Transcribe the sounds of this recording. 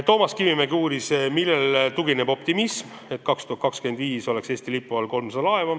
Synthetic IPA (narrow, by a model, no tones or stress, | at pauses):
t̪o̞ːmɑskivimeɡuːɾismilːelt̪uɡinebo̞pt̪imism | e̞t̪̚kɑkst̪uhɑt̪̚kɑkskyend̪viːso̞le̞kseːst̪ilipːˑuvɑlko̞lmsɑɑlɑevɑ